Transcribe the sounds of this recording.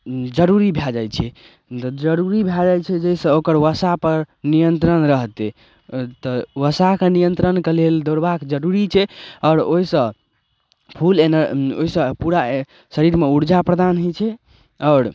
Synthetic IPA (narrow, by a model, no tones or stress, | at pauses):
d͡ʒəɾuɾibʱjad͡ʒajt͡ʃʰɛ | t̪d͡ʒəɾuɾibʱjad͡ʒajt͡ʃʰɛd͡ʒeisə̃okəɾʋəsapəɾnijənt̪ɾənɾəɦt̪ɛ | t̪ɔʋəsakenijənt̪ɾənkeleld̪oɾbakd͡ʒəɾuɾit͡ʃʰɛɔʊɾoɦisə̃ | pʰulenəɾo̰isə̃puɾa | səɾiɾmeuɾd͡ʒapɾəd̪anɦot͡ʃʰɛ | ɔʊɾ